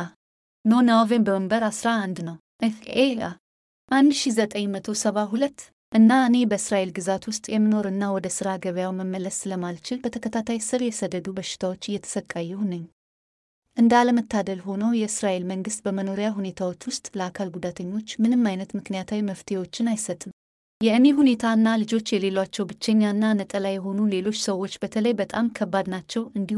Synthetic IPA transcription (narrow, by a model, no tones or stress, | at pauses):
nonawvenbəməmbəɾasɾaand̪nəw | ʔɨea | ʔand̪ʃizət̪ʼəɲmət̪ʰo̞səβaɦulət̪ː | ʔɨnːaɨne̞bəɨsɾaʔelɡɨzat̪wʊst̪ʼjɛmːɨno̞ɾɨnːawɔd̪əsɨɾaɡəβjawməmːələsɨləmalt͡ʃɪlbət̪ʰəkʰət̪ʰat̪ʰajsɨɾjɛsəd̪ːəd̪ubəʃːɪ̥t̪ʰawo̞t͡ʃːjːɛt̪ʰə̥səkʼːajːɛwnɨɲː | ʔɨnd̪aləmət̪ʰːad̪əlɦo̞nəwjɛɨsɾaʔe̞lməŋɡɨst̪bəməno̞ɾijaɦune̞t̪ʰawo̞t͡ʃːwʊst̪ʼləakʰalɡud̪at̪ʰəɲːo̞t͡ʃːmɨnɨmːajnət̪mɨknijat̪ʰawiməft̪ʰewo̞t͡ʃːɪnajsət̪ʼːɨm | jɛɨme̞ɦune̞t̪ʰaɨnːalɨd͡ʒo̞t͡ʃːjɛle̞lwat͡ʃːɛwbɨt͡ʃːeɲːanːanət̪ʼəlajɛɦo̞nule̞lo̞t͡ʃːsəwo̞t͡ʃːbət̪ʰələjbət̪ʼamkʰəbːad̪nat͡ʃːɛwɨnd̪i